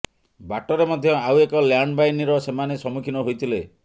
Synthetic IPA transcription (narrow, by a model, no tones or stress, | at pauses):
baʈɔɾemɔd̪ʱjɔawekɔljaɳɖbajniɾɔsemanesɔmukʰinɔɦojt̪ʰile